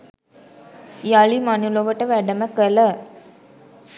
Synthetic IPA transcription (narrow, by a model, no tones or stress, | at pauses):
jaɭimanuloʋəʈəʋæɖəməkələ